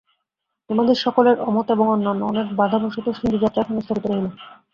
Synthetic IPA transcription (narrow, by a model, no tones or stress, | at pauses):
emad̪ʱeɾʃɔkoleɾʔɔmot̪eboŋɔnːanːo̰ɔnekbad̪ʱabʱɔʃot̪oʃind̪od͡ʑat̪ːɾakʰanest̪ʰoɾit̪oɾeɦilo